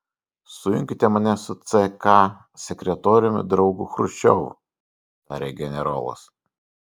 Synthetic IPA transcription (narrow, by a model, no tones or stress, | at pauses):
sʊjʊŋʲkʲɪt̪ʲɛmɐnʲɛsʊt̪sɛkɑ | sʲɛkʲɾʲɛt̪oːɾʲʊmʲɪd̪ɾɒʊɡʊxɾʊt͡ʃʲɛʊ | t̪ɑːɾʲeɡʲɛnʲɛɾo̰ːlˠɐ̰s